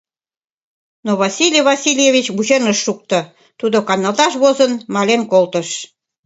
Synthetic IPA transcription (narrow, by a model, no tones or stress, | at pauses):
noβɑsʲilʲijβɑsʲilʲjeβʲit͡ɕβut͡ɕenəʃːuk̚t̪ə | t̪ud̪okɑnːɑlt̪ɑʃβozənmɑlenkolt̪əʃ